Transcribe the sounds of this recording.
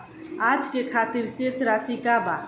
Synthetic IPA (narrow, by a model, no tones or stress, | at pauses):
ad͡ʒkekʰat̪iɾsesɾasikaba